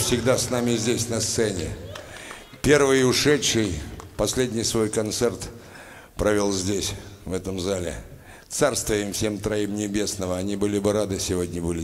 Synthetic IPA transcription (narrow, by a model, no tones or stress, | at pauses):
fsʲɪɡd̪asnamʲɪzʲdʲesʲnɐst̪sɛnʲɪ̰ | pʲe̞rvɨjʊʂɛtʂɨjpɐsʲlʲedʲnʲɪjsvo̞jkɐnt̪sɛrt̪ | pɾɐvʲolˠzʲdʲesʲvɛt̪əmzalʲɪ̰ | t̪sarst̪vəjɪmfsʲe̞mt̪ɾɐimnʲɪbʲe̞snəvəɐnʲibɨlʲɪbɨɾad̪ɨsʲɪvo̞dʲnʲəbɨlʲɪ